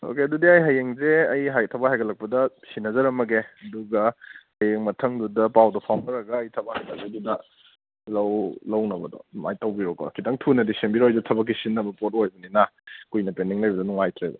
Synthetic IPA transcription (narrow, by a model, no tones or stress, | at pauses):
o̰keɐdudiajɦɐjeŋzeɐjɦajtʰɐbaɦajɡɐlɐk̚pɐdɐsinːɐzɐɾɐmɐɡeɐduɡɐhɐjeŋmɐtʰɐŋdudɐpawdɐpʰawnɐɾɐɡɐːjtʰɐbahɐjlak̚bɐdudɐ | lɐwlɐwnɐbɐdɔ̰ma̰jtɐwbiɾoko̰kʰitɐŋtʰunɐdisembiɾojzutʰɐbɐk̬ːisinːɐbɐpot̚ojbɐninakujnɐpendiŋlɐjbɐdɔnuŋajtʰɾḛbo̰